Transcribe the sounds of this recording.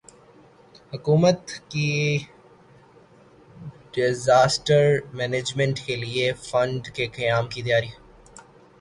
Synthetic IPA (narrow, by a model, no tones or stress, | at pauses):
hʊkuːmət̪ki | ɖɪzaːsʈəɾmɛːneːd͡ʒmɛ̃ɳʈkeliefɐ̃ɳɖkekɐjaːmkit̪ijaːɾiɦɛ